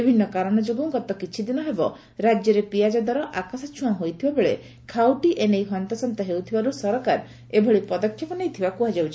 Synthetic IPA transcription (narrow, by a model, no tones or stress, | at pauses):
ibʱinːɔkaɾɔɽ̃ɔd͡ʒoɡuŋɡɔt̪ɔkit͡ʃʰid̪inɔɦebɔ | ɾad͡ʒjɔɾepiad͡ʒad̪aɾɔʔakasat͡ʃʰuw̃ãɦojt̪ʰibabeɭe | kʰawʈiʔenejɦɔant̪ɔsɔnt̪ɔɦewt̪ʰibaɾusɔɾɔkaɾ | ebʱɔɭipɔd̪ɔkʰjɔpɔnejt̪ʰibakuɦad͡ʒawt͡ʃʰi